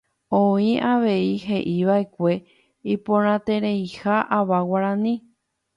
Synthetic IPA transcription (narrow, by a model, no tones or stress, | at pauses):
õĩʔaʋe̞iɦe̞ʔiʋae̞kʷe̞ | ipõɾ̃ãt̪e̞ɾejhaʔaʋawaɾãnĩ